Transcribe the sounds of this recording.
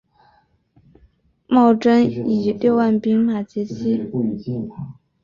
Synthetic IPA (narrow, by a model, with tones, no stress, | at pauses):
mɑ˥˩ʊʈ͡ʂə˥ni˨˩ljo˥˧ʊwa˥˩npi˥ŋma˨˩t͡ɕɛ˧˥t͡ɕʰi˥